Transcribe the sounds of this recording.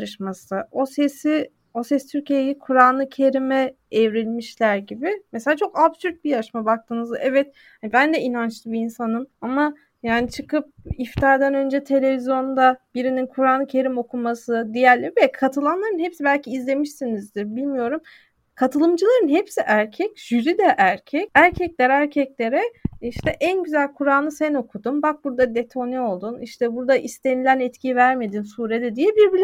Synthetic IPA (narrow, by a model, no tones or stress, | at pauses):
ɾɯʃmasɯo̞sesi | o̞sɛst̪ʰyɾcijejikʰuɾanlˠɯcʰe̞ɾimɛː | vɾilʲmiʃlʲæɾɟibimeselʲaːt͡ʃʰo̞kapsyɾt̪̚bijaʃmabak̚t̪ʰɯːnɯzd̪aʔɛvɛt̪̚ | hanibænd̪ɛinant͡ʃlˠɯbiːnsanɯmama | jaːnit͡ʃʰɯkʰɯp̚ift̪ʰaːɾd̪ænø̞nd͡ʒɛt̪ʰe̞lʲe̞vizjo̞nd̪ab̥iɾininkʰuɾanˠɯkcʰe̞ɾimo̞kʰumasɯd̪ijælʲːɛbɛkʰat̪ʰɯlˠanlˠaɾɯnhepsibælʲcʰiːzlʲe̞miʃsinizd̪ibilʲmijo̞ɾum | kʰat̪ʰɯlˠɯmd͡ʒɯlˠaɾɯnɦepsiʔæɾcʰɛcʒ̥yɾid̪ɛʔæɾcʰɛcæɾcʰɛclʲæɾæɾcʰɛclʲe̞ɾɛiʃt̪ʰɛʔænɟyzælʲkʰuɾaːnɯsɛno̞kʰud̪umbak̚buɾd̪ad̪e̞t̪ʰo̞nɛo̞lˠd̪uniʃt̪ʰɛbuɾd̪aʔist̪ʰe̞nilʲænɛt̪cʰivæɾme̞d̪insuːɾed̪ɛd̪ijɛbiɾbilʲ